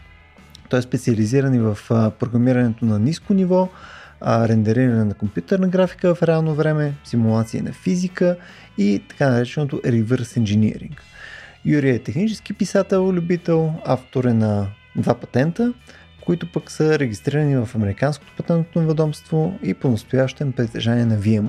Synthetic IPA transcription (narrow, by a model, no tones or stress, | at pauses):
t̪ɔɛspɛt̪siɐliziɾənivɐfpɾoɡɾɐmiɾɐnɛt̪onɐniskonivɔ | ɾɛnd̪ɐɾiɾɐnɛnɐkompjut̪ɛɾnɐɡɾafi̥kəvɐfɾɛalˠnovɾɛmɛsimulˠat̪siḭnɐ̰fizikə | it̪ɐ̥kanɐɾɛt͡ʃɛnot̪oɾivəɾsinʒɛnḭɾḭŋkjuɾiɛt̪ɛxnit͡ʃɛsk̟ipisat̪ɛlˠlʲʊbit̪ɛlˠaft̪oɾɛnɐ | d̪vapɐ̥t̪ɛnt̪ə | koit̪ʊpəksəɾɛɡist̪ɾiɾənivɐfɐmɛɾikansko̥t̪o̥pɐt̪ɛnt̪novɛd̪ɔmst̪voiponɐst̪ojaʃt̪ɛmpɾit̪ɛ̰ʒaniɛnɐviɛm